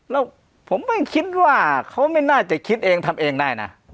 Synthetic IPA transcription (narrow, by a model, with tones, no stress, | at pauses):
lɛː˦˥˩w | pʰo˨˦mːa˧˩kʰi˦˥t̪̚waː˥˩kʰa˦˥wma˥˩jnaː˥˩t͡ɕa˧˩kʰi˦˥t̪̚ʔeː˧ŋt̪ʰa˧mʔeː˧ŋdaː˧˩jna̰˦˥